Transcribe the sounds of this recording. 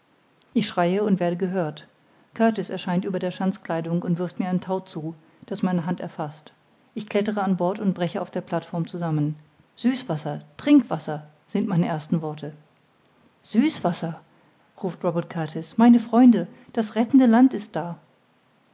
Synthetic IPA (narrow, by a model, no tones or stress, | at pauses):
ʔɪçʃʁ̥aɪəʊntv̥eːɐɾəɡəɦøːɐt | kʰaɐtɪsɛɐʃaɪntʔyːbɐdeːɐʃant͡skl̥aɪdʊŋʊntv̥ɪɐftmiːɐaɪntʰaʊt͡suː | d̥asmaɪnəɦantɛ̰ɐfast | ʔɪçkʰl̥ɛtəʁəanbɔɐtʊntb̥ʁɛçəaʊfd̥eːɐpʰl̥atfɔɐmt͡suzamən | z̥yːsv̥asɐtʁ̥ɪŋkv̥asɐ | z̥ɪntmaɪnəʔeːɐstn̩vɔɐtʰə | z̥yːsv̥asɐ | ʁuːftʁɔbɛɐt̚kʰaɐtʰɪsmaɪnəfʁ̥ɔʏndə | d̥asʁɛtn̩dəlantɪst̚d̥aː